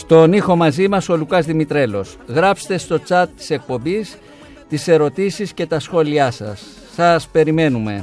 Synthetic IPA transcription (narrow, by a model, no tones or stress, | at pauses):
st̪o̞nixo̞mɐzimɐso̞lukɐzðimit̪ɾe̞lo̞̰sɣɾɐpse̥t̪e̞st̪o̞t͡sɐt̪ːi̥se̞k̚po̞mbis | t̪ise̞ɾo̞t̪isisce̞t̪ɐsxo̞liɐsɐ̰sː | ɐspe̞ɾime̞nume̞̰